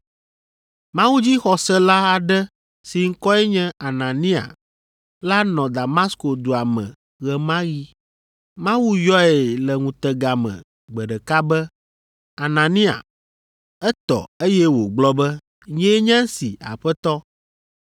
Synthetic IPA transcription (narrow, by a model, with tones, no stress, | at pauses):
mã˦wu˦d͡ʑi˦xɔ˨sɛ˦la˦a˨ɖɛ˦ | si˨ŋ̩˦kɔ˦ɛ˦ɲɛ̃˦a˨nã˨nĩ˦a̰˨ | la˦nɔ̃˨d̪a˨ma˦sko˨d̪o˨a˨mɛ̰̃˨ | ɣɛ˨mã˦ɣi˦ | mã˦wu˦jɔ˦ɛɛ˨lɛ˨ŋũ˨t̪ɛ˨ɡa˨mɛ̰̃˨ | ɡ͡bɛ˨ɖɛ˨ka˦bɛ˦ | a˨nã˨nĩ˦a̰˨ | ɛ˦t̪ɔ̰˨e˦jɛ˦wo˨ɡ͡blɔ˦bɛ˦ | ɲɛ̃˦ɲɛ̃˦si˨a̰˨ɸɛ˦t̪ɔ˦